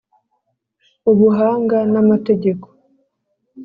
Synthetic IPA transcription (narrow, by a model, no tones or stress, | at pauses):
oβuɦaːŋɡanamate̞ɟe̞ko̥